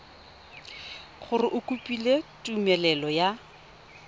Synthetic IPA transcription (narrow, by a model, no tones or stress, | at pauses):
χʊrɪʔʊkʼupʼiletʼumɛlɛlɔja